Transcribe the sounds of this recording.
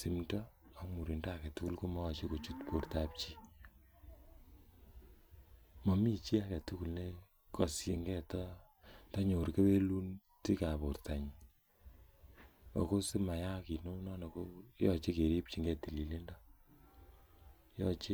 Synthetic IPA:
si˨mdɔ˦ɔ˦mu˨ɾi˨ndɔ˦a˨kɛ˨tu˦ku˦lko˦mɔ˦˨t͡ʃe˦ko˨t͡ʃu˦tpo˨ɾtap̚t͡ʃi˦ | mɔ˨mi˦t͡ʃi˦a˨kɛ˨tu˦ku˨lne˦ | kɔ˨sje˨ŋɡɛ˦tɔ˦ | ta˦ɲo˨ɾke˦be˦lu˦n | ti˦ka˨po˨rta˨ɲ | o̰˨ko˦sɪ˦ma˨ja˦ki˨no˦nɔ˦nɔ˨ko˦jɔ˦t͡ʃe˦ke˨ɾi˦p̚t͡ʃi˨ŋɡɛ˨ti˨li˨le˦ndɔ˦ | jɔ˦t͡ʃe˦

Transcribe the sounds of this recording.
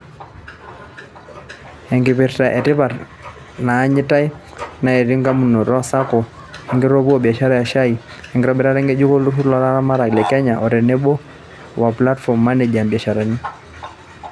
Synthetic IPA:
ɛ˨ŋɡi˨pi˨ɾta˨ʔɛ˨tɪ˦pa˨ɾ | naː˨˦ɲi˦ta˦i˦ | na˨ɛ˨ɾi˦ŋɡa˦mu˦˨nɔ˨ɾɔ˦sa˦kɔ˨ | ɛ˨ŋɡi˦ɾɔ˦bu˦ɔ˦˨bi˨a˨ʃa˦ɾa˦ja˨ʃa˦i˨ | ɛ˨ŋɡɪɾɔ˦bɛ˨ɾa˦ɾɛ˦ŋɡɛ˦d͡ʒu˦kɔ˦lu˦fu˦ɾlɔ˨la˦ɾa˦ma˦ɾa˨ɡlɛ˨kɛ˦ɲa˨ʔɔ˨ɾɛ˨nɛ˦bɔ˦ | wa˨pla˦tfɔ˨mːa˦nɛ˨d͡ʒa˨mbi˨a˨ʃa˨ɾa˨ni˦

